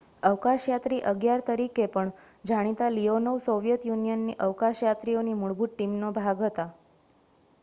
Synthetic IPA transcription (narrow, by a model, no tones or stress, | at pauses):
əʋkaʃjat̪ɾiːʔəɡjaɾt̪əɾikepəɳ | d͡ʒʱaɽ̃it̪alionəʋsoʋjət̪junijənːiʔəʋkaʃjat̪ɾijonimuɭbuʈʈimnobʱaɡɦət̪a